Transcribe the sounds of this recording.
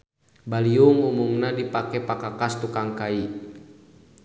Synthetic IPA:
baliuŋumumnadipakɛpakakast̪ukaŋkai

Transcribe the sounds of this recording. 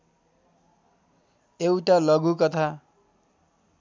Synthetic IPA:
ewʈalʌɡukʌt̪ʰa

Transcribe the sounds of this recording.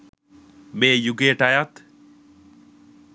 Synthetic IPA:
meːjuɡeʈajat̪

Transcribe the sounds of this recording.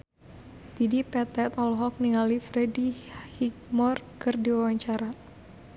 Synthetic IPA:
t̪idipɛt̪ɛt̪ɔlɦɔk̚niŋalifɾɛdihik̚mɔrkɨrdiwawaɲt͡ʃaɾa

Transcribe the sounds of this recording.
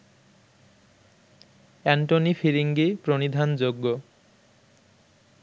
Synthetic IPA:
ɛɳʈonifiɾiŋɡipɾonid̪ʱand͡ʑoɡːo

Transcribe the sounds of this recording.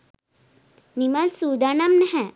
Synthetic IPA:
nimalsuːd̪anamnɦɛ̃

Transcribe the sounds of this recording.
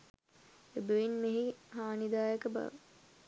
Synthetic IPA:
ebəʋinmeɦiɦaːnid̪aːjəkəba̰ʋə

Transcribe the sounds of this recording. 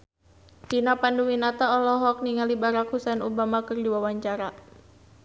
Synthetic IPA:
t͡ʃinapanduwinat̪aɔlɔɦɔk̚niŋalibaɾakhusɛnubamakərdiwawaɲt͡ʃaɾa

